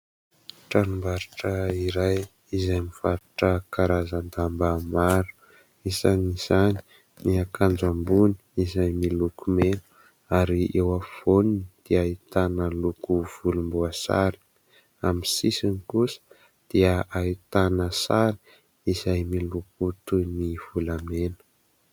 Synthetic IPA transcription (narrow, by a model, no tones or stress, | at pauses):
ʈ͡ʂanumbaɾaʈ͡ʂəiɾaj | izajmifaɾaʈ͡ʂəkaɾazand̪ambamaɾu̥ | izaniz̥ani̥ | niakʰand͡ʒambuni̥izajmilukumenu̥ | aɾiewafoninid̪̥iait̪anəlukuv̥ulumbuasa̰ɾi̥ | amisisinikusə̥ | d̪̥iəait̪anəsali̥ | izajmiluk̚ut̪univ̥ulamenə̥